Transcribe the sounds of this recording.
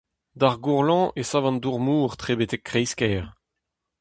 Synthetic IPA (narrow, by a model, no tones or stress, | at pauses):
d̪aʁɡuʁlɑ̃ʔesavɑ̃nduʁmuːʁt̪χebetɛkːχejskɛːʁ